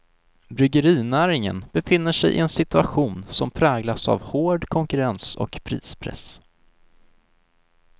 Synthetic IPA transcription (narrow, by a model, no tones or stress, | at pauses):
bɾʏɡəɾiːnæːɾɪŋə̰nb̥ɛfɪnːəʂɛjʔɪ̰ɛnsɪt̪ɵaɧuːnsɔmpʰɾɛːɡlasa̰vhoːɖkʰɔŋkɵɾɛnsɔ̰kpʰɾḭːspʰɾɛ̰s